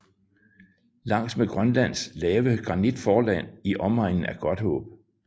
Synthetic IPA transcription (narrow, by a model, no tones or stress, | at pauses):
lɑ̈ŋ̰smeɡ̥ʁɶnlæn̰slɛːʋəɡ̥ʁɑ̈nid̥fɒːlæn̰iʔɒ̽mɑ̈ɪ̰nn̩æɐɡ̥ɒ̽d̥hɔ̰̽ːb̥